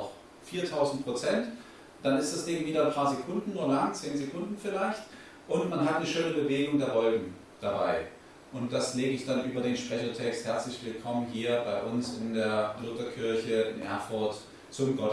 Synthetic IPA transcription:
ɔχ | fiːɐtʰaʊzn̩t̚pʁ̥ot͡sɛnt | d̥anɪstd̥asd̥ɪŋviːdɐnpʰaːɐzekʰʊndn̩ːuːɐlaŋt͡seːnzekʰʊndn̩fɪlaɪçt | ʔʊntmanɦatnəʃøːnəbəveːɡʊŋdeːɐvɔlɡŋ̩ | d̥aba̰ɪ | ʔʊnt̚d̥asleːɡəɪçd̥anʔyːbɐdeːnʃpʁ̥ɛçɐtʰɛksthɛɐt͡slɪçv̥ɪlkʰɔmənɦiːɐbaɪʔʊnsɪndeːɐlʊtɐkʰɪɐçəɪnʔɛ̰ɐfʊɐt | t͡sʊmɡɔt

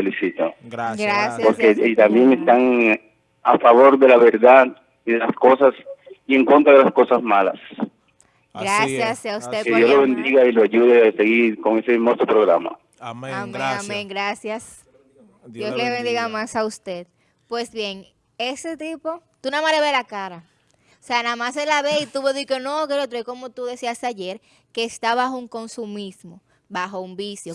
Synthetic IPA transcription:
felisit̪oɡɾasjpoɾket̪ambje̞ŋe̞st̪aŋ | afaβo̞ɾðe̞laβe̞ɾðað | iðelasko̞sasie̞ŋko̞nt̪ɾaðelasko̞sasmala̰s | ɡɾasjasaust̪ekeðjosloβend̪iɣailoaʝuðease̞ɣiɾko̞ŋe̞semost̪opɾoɣɾama̰ | ameameŋɡɾasjas | d̪josleβend̪iɣamasaust̪e̞ð̚ | pwe̞sβje̞ŋ | e̞se̞t̪ipo̞t̪unamaleβelakaɾa | oseanamaselaβeit̪uβoðikonokeɾot̪ɾoeko̞mo̞t̪uðe̞siast̪aʝe̞ɾ | ke̞ːst̪aβaxuŋko̞nsumismo | βaxo̞umbisjo̞

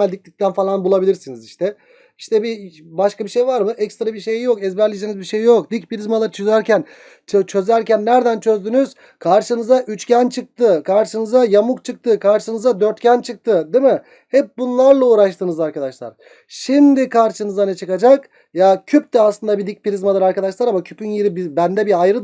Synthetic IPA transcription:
ælʲd̪ic̚lʲic̚t̪ʰænfalˠanbulˠabilʲiɾsiniziʃt̪ʰɛ | iʃt̪ʰɛbibaʃkabiʃejvaɾmɯʔɛcst̪ɾabiʃejjo̞kɛzbæɾlʲid͡ʒenizbiʃejjo̞k̚d̪icpiɾizmalˠaɾɯt͡ʃʰøzæɾcʰæn | t͡ʃʰt͡ʃʰø̞zæɾcʰænːæɾd̪ænt͡ʃʰø̞zd̪ynyz̥ | kʰaɾʃɯnɯzaʔyt͡ʃcænt͡ʃʰɯk̚t̪ʰɯkʰaɾʃɯnɯzajamukt͡ʃʰɯk̚t̪ʰɯkʰaɾʃɯnɯzad̪øɾt̪cænt͡ʃʰɯk̚t̪ʰɯd̪imɯ | hɛp̚bunlˠaɾlˠauːɾaʃt̪ʰɯnɯzaɾkad̪aʃlˠa̰ɾ | ʃimd̪ikʰaɾʃɯnɯzanɛt͡ʃʰɯkad͡ʒak | jacʰyp̚t̪ɛaslˠɯnd̪abid̪ic̚piɾizmalˠɯɾaɾkad̪aʃlˠaɾamacʰypʰynjiɾibibænd̪ɛbiajɾɯ

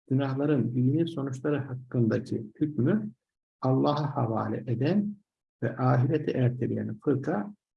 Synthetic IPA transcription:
ɟ̥ynahlˠaɾɯnbijiniso̞nut͡ʃlˠaɾɯhakːɯnd̪acʰih̪ʰycmy | ɑlˠːɑːɦahava̰ːlʲɛ̰ʔed̪æn | vɛʔaːɦiɾet̪ʰiʔæɾt̪ʰelʲijɛ̰nfɯɾkʰa

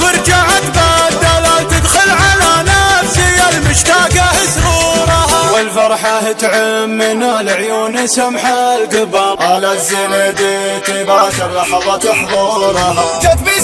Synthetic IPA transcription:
fɑɾˤd͡ʒaʕat̪bad̪alat̪ɪd̪xʊlʕalanafsɪjːalmʊʃt̪aːɡahɪsɾuːɾˤɑhawɪlfɑɾˤħahɪt̪ʕamːɪnalʕjoːnɪsamħalɡabɑʔalazːined̪it̪ibaʃaɑħɑðˤɑt̪ɪħðˤuɾˤɑt̪at̪bi

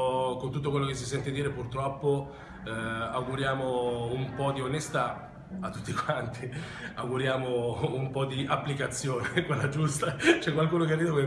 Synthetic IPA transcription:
kont̪ut̪ːokwelːokes̬ːisɛnt̪ed̪iːɾepurt̪ɾɔpːo | awɡuɾjaːmoumpɔd̪ionest̪a | at̪ːut̪ːikwant̪i | awɡuɾjaːmoumpɔd̪iʔapːlikat̪sːjoːnekwelːad͡ʒust̪at͡ʃɛkːwalkuːnokerːiːd̪oke

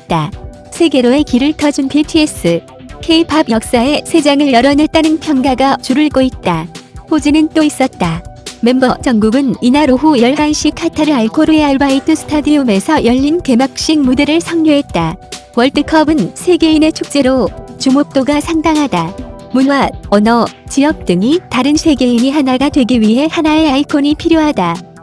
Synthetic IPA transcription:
t̚t͈a | sʰe̞ɡe̞ɾoe̞kiɾɯɭtʰʌd͡ʑunpʰiɭtʰies͈ʰɯ | kʰe̞ipʰabjʌk̚s͈ae̞sʰe̞d͡ʑaŋɯɭjʌɾʌnet͈anɯnpʰjʌŋɡaɡat͡ɕuɾɯɭɡoit̚t͈ahod͡ʑinɯnt͈ois͈ʌt̚t͈ame̞mbʌt͡ɕʌŋɡuɡɯninaɾoɦujʌɭɦaanɕʰikʰatʰaɾɯɭaɭkʰoɾɯeaɭbaitʰɯsʰɯ̥tʰadiume̞sʰʌjʌʎːinke̞mak̚ɕ͈iŋ̚mudeɾɯɭsʰʌŋɲoɦe̞t̚t͈a | wʌɭtʰɯkʰʌbɯnsʰe̞ɡe̞ine̞t͡ɕʰok̚t͡ɕ͈e̞ɾot͡ɕumok̚t͈oɡasʰaŋdaŋɦada | munwaʌnʌt͡ɕijʌk̚t͈ɯŋitaɾɯnsʰe̞ɡe̞iɲiɦanaɡadwe̞ɡiɥiɦe̞hanae̞aikʰoɲipʰiɾjoɦada

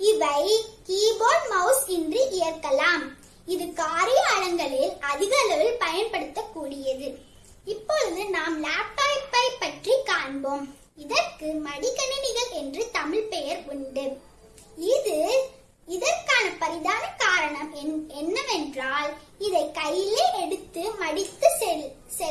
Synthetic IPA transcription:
ɪʋɐɪkiːboːlmɐʊsɪndrɯʔɪjɐrkɐlaːm | ɪðɯkaːɾɪjaːɾɐŋɡɐɭɪlɐðɪɣɐlɐʋɪlpɐjɐnpɐɽɯt̪ːɐkːuːɽɪjɐðɯ | ɪpːɔɻɯðɯnaːmlaːp̚ːaːɪpːɐɪpːɐʈrikaːɳbom | ɪðɐrkɯmɐɽɪɣɐɳɐnɪɣɐɭɛndrɯt̪ɐmɪɭpɛjɐɾʊɳɖɯ | ɪðɯ | ɪðɐrkaːnɐpɐɾɪðaːnɐkaːɾɐɳɐmɛɛnːɐʋɛndraːl | ɪðɐɛɪkːɐjɪleːɛɽɯt̪ːɯmɐɽɪt̪ːɯɛ | sɛ

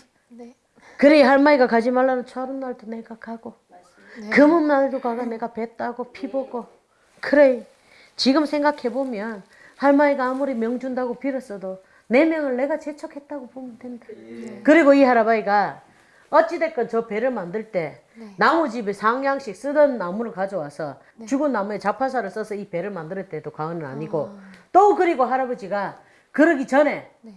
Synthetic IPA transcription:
kɯɾihaɭmaiɡakad͡ʑimaɭːanɯnt͡ɕʰʌɾɯnnaɭdone̞ɡakʰaɡo | kɯmɯnnaɭdokaɡane̞ɡape̞t̚t͈aɡopʰiboɡo | kɯɾe | t͡ɕiɡɯmsʰe̞ŋɡakʰe̞bomjʌn | haɭmaiɡaːmuɾimjʌŋd͡ʑundaɡopiɾʌs͈ʌdo | ne̞mjʌŋɯɭne̞ɡat͡ɕe̞t͡ɕʰʌkʰe̞t̚t͈aɡopomʌndwendakɯɾiɡoihaɾabaiɡa | ʌt͡ɕ͈ide̞k͈ʌnt͡ɕʌpe̞ɾɯɭmandɯɭt͈e̞ | namud͡ʑibesʰaŋjaŋɕ͈ʰik̚s͈ɯdʌnːamuɾɯɭkad͡ʑʌwasʰʌ | t͡ɕuɡɯnːamue̞t͡ɕak̚pʰas̬ʰaɾɯɭs͈ʌsʰʌipe̞ɾɯɭmandɯɾɯɭt͈e̞dokaɯnɯna̰ɲiɡot͈okɯɾiɡoɦaɾabod͡ʑiɡa | kɯɾʌɡit͡ɕʌne̞

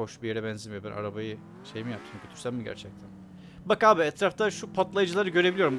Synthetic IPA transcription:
o̞ʃbijeɾɛbɛnzimbænʔa̰ɾabajɯ | ʃe̞jimijap̚t̪ʰɯmcʰøt̪ʰy̥ɾsæmmiɟæ̰ɾt͡ʃʰɛc̚t̪ʰæn | bakaːbiɛt̪ɾaft̪ʰaʃupʰat̪lˠajɯd͡ʒɯlˠaɾɯɟø̞ɾebilijo̞ɾum

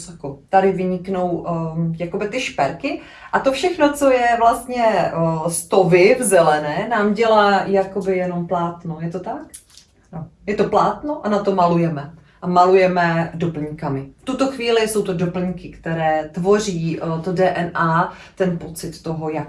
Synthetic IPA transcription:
sakot̪adɪvɪɲɪkno̞wjako̞bɪt̪ɪʃpɛɾkɪ | ʔat̪ofʃɛxno̞t͡so̞jɛvlast̪ɲɛst̪o̞vɪvzɛlɛnɛːnaːmɟɛlaːjakobɪjɛno̞mplaːt̪nojɛt̪o̞t̪ak | nojɛt̪o̞plaːt̪noʔanat̪o̞malujɛmɛ | ʔamalujɛmɛdopl̩ɲkamɪft̪ut̪o̞xviːlɪso̞wt̪odopl̩ɲkɪkt̪ɛɾɛːt̪vo̞r̝iːt̪odɛːʔɛnʔaː | t̪ɛnpo̞t͡sɪt̪ːo̞ɦo̞jak

